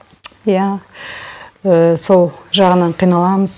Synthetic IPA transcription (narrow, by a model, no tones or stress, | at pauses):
jæ | əso̞lˠʒɑʁənɑɴqʰijnɑlˠɑməz̥